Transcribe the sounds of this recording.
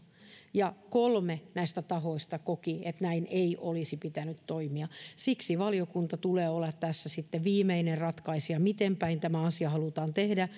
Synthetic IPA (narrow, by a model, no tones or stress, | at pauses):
jɑkolmenæist̪æt̪ɑhoist̪ɑkokiet̪næineiʔolisipit̪ænyt̪t̪oimiɑsiksiʋɑliokunt̪ɑt̪uleːolːɑt̪t̪æsːæsit̪ːeʋʋiːmeinerrɑt̪kɑisjɑmit̪empæint̪æmæɑsiɑhɑlut̪ɑːnt̪ehdæ